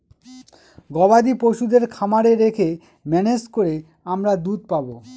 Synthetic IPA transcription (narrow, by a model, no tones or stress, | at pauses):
ɡɔbad̪ipoʃud̪eɾkʰamaɾeɾekʰe | mɛned͡ʑkoɾe | amɾad̪ud̪̚pabo